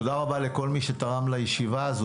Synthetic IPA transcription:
od̪aʁabaleko̞lmiʃet̪aʁamlajeʃivaːzu

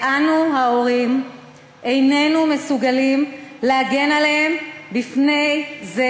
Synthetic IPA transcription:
ʔanuɦao̞ʁim | ʔe̞jne̞nume̞suɡalimleaɡe̞nalehembifne̞jze

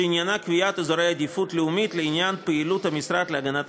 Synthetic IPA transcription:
ɪnʲjanakvʲɪjat̪ɨzoɾɛjɐd̪ʲɪfut̪lʲɪʊmʲit̪lʲɪɪnʲjanpɨɪlut̪ɐmʲisɾat̪lʲɪɐɡɐnat̪

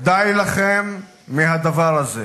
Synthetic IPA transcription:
d̪ajlaχemː | iɦad̪avaʁaze

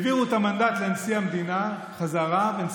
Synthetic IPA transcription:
viʁuetamandat̪leansiamd̪ina | χazaʁavens

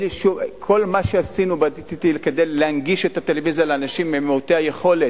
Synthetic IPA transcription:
liʃuvkʰo̞lmaʃeasinubat̪it̪it̪ilkedejleanɡiʃethatelevizjaleanaʃimːemeuteaje̞χo̞le

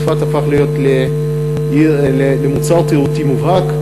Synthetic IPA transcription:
fat̪afaχlijot̪le | lelemut͡saʁt̪iʁut̪imuvhak

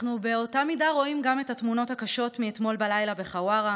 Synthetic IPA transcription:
nube̞o̞tamidaʁo̞imɡame̞tatmuno̞thakaʃo̞tmiet̪mo̞lbalajlabe̞χawaʁa

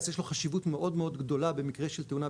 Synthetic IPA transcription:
zjeʃloχaʃivutme̞ʔo̞d̪meo̞d̪ɡd̪o̞labe̞mikʁeʃelt̪euna

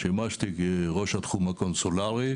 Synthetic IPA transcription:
ʃemaʃt̪ikeʁoʃat̪χumakonsolaʁi

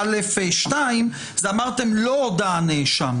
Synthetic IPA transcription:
alefeʃtaim | zamaʁt̪emlod̪aːneʃam

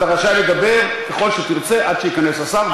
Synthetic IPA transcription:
taʁaʃaleɡabeʁ | keχo̞lʃet̪iʁt͡se̞ʔad̪̥ʃejikane̞sasaʁ

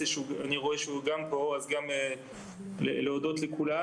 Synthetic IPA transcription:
eʃuaniʁoeʃeuɡampo̞azɡame | lḛleodo̞t̪lekula

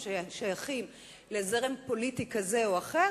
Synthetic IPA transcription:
ʃajaχim | lezeʁempo̞litikaze̞oaχe

